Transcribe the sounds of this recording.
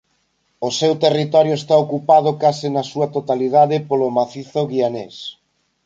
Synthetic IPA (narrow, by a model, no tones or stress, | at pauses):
osewt̪erit̪ɔɾjoest̪aokupað̞okasɪnɐsuɐt̪ot̪aliðaðɪpolomaθiθoɣianḛs